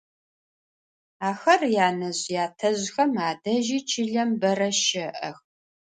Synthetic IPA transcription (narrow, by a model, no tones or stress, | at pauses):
aːxɐrjaːnɐʑjaːtʰɐʑxɐmaːdɐʒiːt͡ʃʰɪɮɐmbɐrɐʃɪʔɐ̰x